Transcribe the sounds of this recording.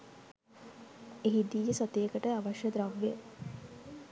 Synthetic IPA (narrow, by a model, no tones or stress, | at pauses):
eɦid̪iːjəsot̪eːkəʈəaʋaʃjəd̪ɾaʋːe